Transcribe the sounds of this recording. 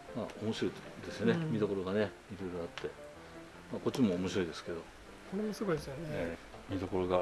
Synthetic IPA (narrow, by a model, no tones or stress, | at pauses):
maːomo̞ɕiɾo̞id̪e̞sɨjo̞ne̞mʲid̪o̞ko̞ɾo̞ɡane̞ | iɾoɾoat̪ʰːe̞ | maːko̞t͡ɕːimo̞ːmo̞ɕiɾo̞id̪e̞sɨ̥ke̞d̪o̞ | koɾemosɨɡoidesjone | mʲid̪o̞ko̞ɾoɡa